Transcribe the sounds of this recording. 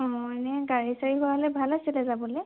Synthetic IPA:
ɔ̃nɛɡaɹisaɹiɦʊwaɦlɛbʱalasilɛzabɔlɛ

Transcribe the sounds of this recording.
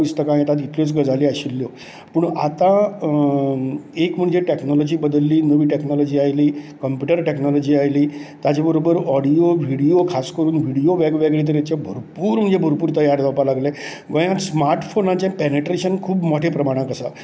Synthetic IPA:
ist̪əkãj̃t̪at̪it̪ʰlot͡sɡəd͡zaliːaɕilːjo | pəɳat̪ã | ekm̤əɳd͡zeʈeknɔlɔd͡ʑiːbəd̪əlːiːnəʋiːʈeknɔlɔd͡ʑiajliːkəmpjuʈəɾʈeknɔlɔd͡ʑiːajliːt̪jat͡ɕabəɾobəɾɔɽijoʋʱiɽijokʰaskəɾuːnʋʱiɽijoʋɛɡʋɛɡɭit̪̬əɾjat͡ɕjabʱoɾpuːɾm̤əɳd͡zebʱəɾpuːɾt̪əjaɾd̪ʱɔpalaɡle | ɡəjãsmaɾʈfonãt͡ɕãpɛneʈɾeɕənkʰuːbmɔʈʰepɾəmaɽ̃ãkəsa

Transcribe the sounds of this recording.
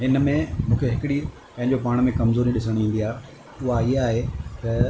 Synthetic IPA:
ɦɪnəmẽmũːkʰeɦɪkɪɽi | pɐ̃ɦɪ̃ɲd͡ʑopaːɽ̃̆mẽkɐmzoːɾiɗɪsəɽ̃ĩːnd̪iaːɦ | ʊɦaiɦaːɦet̪ɐ

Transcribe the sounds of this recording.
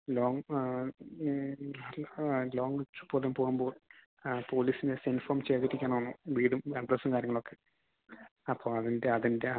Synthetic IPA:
loːŋ | lo̞ːŋɡit͡ɕːu̥pːo̞ːleumpoːɣumbo̞ːl | po̞ːliːsinesinfoːmt͡ɕeːðiɾikʲːaːnonːuʋiːðumɐɳɖrɐsumkaːɾjɐŋːɐɭo̞kːe̞ | ɐpːoːɐðindeɐðinde

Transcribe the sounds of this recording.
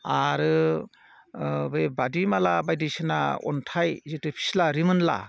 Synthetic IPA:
aɾɯ | bɯjbadimalabajdisɯna̰ɔ̰ntʰajzɯtɯpʰi̥slaɾimɯnla̰

